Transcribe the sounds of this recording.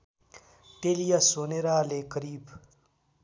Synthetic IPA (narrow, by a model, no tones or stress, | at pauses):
t̪eːlijasoːneɾaːlekəɾiːb